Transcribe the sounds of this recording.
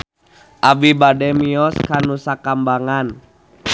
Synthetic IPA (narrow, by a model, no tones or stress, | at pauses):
ʔabibadɛmiɔskanusakambaŋan